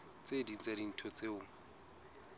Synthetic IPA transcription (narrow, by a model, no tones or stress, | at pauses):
t͡sʼedin̩t͡sʼadin̩tʰɔt͡sʼeʊŋ̩